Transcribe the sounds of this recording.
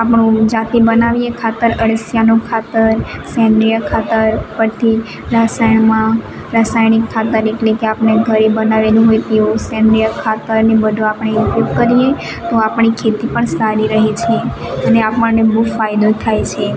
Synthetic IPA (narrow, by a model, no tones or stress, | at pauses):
apɳũd͡ʒat̪ibənaʋiekʰat̪əɾəɽəsjanokʰat̪əɾsɛ̃nɖ̪ɾijəkʰat̪əɾpəɾt̪ʰi | ɾasajɳmã | ɾasajnɪkʰːat̪əɾeʈlekeapɳeɡʱəɾibənaʋelũɦojt̪eʋũsɛ̃nd̪ɾijəkʰːat̪əɾnebəd̪ʱõapɳ̃epupkəɾije | t̪oapɳikʰet̪ipəɳsaɾiɾəɦit͡ʃʰe | əneapəɳnebufajd̪ot̪ʰajt͡ʃʰe